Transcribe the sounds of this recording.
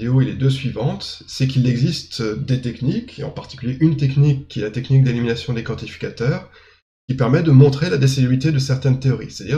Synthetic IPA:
eoiled̪øsɥivɑ̃t̪sɛkilɛɡzist̪d̪et̪ɛknikḛɑ̰̃paʁt̪i̥kʲyljeʔynt̪ɛknikʲːiɛlat̪ɛknik̚d̪eliminasjɔ̃d̪ekɑ̃t̪ifi̥kat̪œːʁ | kʲipɛʁmɛd̪əmɔ̃t̪χelad̪es̬elebʁit̪ed̪əsɛʁt̪ɛnt̪eɔʁḭse̥t̪ad̪i

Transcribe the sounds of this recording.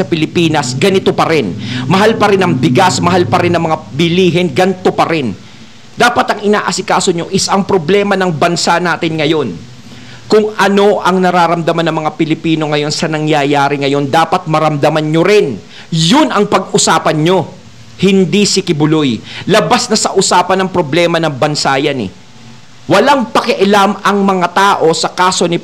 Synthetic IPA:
ɐpɪlɪpiːnɐsɡɐnɪt̪o̞pɐɾɪnmɐɦalpɐɾɪnɐŋbɪɡasmɐɦalpɐɾɪnːɐŋmɐŋabɪliːɦɪnɡɐnt̪o̞pɐɾɪn | d̪aːpɐt̪ɐŋɪna̰ːʔɐsɪkaːso̞ɲo̞ʔɪsɐŋpɾoblɛːmɐnɐŋbɐnsanaːt̪ɪnŋɐjo̞n | kʊŋʔɐno̞ʔɐŋnɐɾaːɾɐmd̪ɐmanɐŋmɐŋapɪlɪpiːno̞ŋɐjo̞nsɐnɐŋjajaːɾɪŋɐjo̞nd̪aːpɐt̪̚mɐɾɐmd̪ɐmanɲoɾɪn | jʊnɐŋpɐɡʔʊsaːpɐnɲo̞ | hɪnd̪isɪkɪbʊlojlɐbasnɐsɐʔʊsaːpɐnɐŋpɾo̞blɛːmɐnɐŋbɐnsaːjɐnɛ̰ | wɐlaŋpɐkɛʔɐlamɐŋmɐŋat̪aːʔo̞sɐkaːso̞nɪ

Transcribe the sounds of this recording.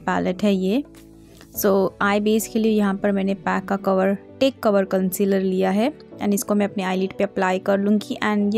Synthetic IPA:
pɛ̰ːləʈɦɛjeː | soːaːebeːskeliejɐɦãpɐɾmɛ̃ːnepɛːkːakɐʋəɾʈeːkːɐʋəɾkɐ̃nsɪləɾlijaɦɛ | ɛ̰̃ːnɪskomɛ̃ɐpneaːɪliːʈpeɐplaːjkɐɾlũːɡiʔɛ̃ːɳɖj

